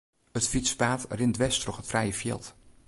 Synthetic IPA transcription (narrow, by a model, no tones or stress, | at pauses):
ətfitspaːtrɪndʋɛstrɔχətfrɛjəfjɛ̰ːlˠt